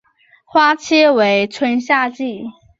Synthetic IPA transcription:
xwa˥t͡ɕʰjɛ˥we˧˥ɪt͡sʰwə˧˥nɕja˥˧t͡ɕi˥˩

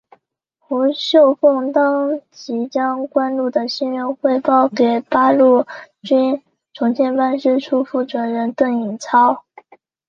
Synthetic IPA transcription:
xu˧˥ɕjo˥˧ʊfɤ˥˩ŋt̪ɑ˥ŋt͡ɕi˧˥t͡ɕjɑ˥ŋkwa˥nlu˥˩d̪ə˩ɕi˥nɻə˧˥nxwe˥˧ɪpɑ˥˩ʊke˨˩ɪpa˥lu˥˩ | t͡ɕy˥n | ʈ͡ʂʰʊ˧˥ŋt͡ɕʰjɛ˥˧npa˥nʂɻ̩˥˩ʈ͡ʂʰu˥fu˥˩ʈ͡ʂwə˧˥nɻə˧˥nt̪ɤ˥˩ŋi˨˩nt͡sʰɑ˥ʊ

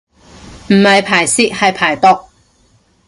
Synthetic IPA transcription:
m̩˨˩hɐ˨jpʰaː˨˩jsiː˥k̚hɐ˨jpʰaː˨˩jt̪ɔ˧˥k̚

